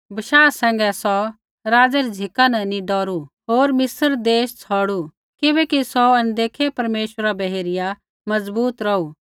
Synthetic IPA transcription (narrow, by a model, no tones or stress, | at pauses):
bɐʃaːsɛ̃ːŋɡɛsɔ | ɾaːd͡zɛɾid͡zʱɪkanɐniɖɔːɾu | ɦoːɾmɪsəɾd̪eːʃt͡sʰɔːɽu | kɪbɛkisɔɐnd̪eːkʰepɐɾmeːʃwəɾabɐɦeːɾɪja | mɐd͡zbuːt̪ɾɐu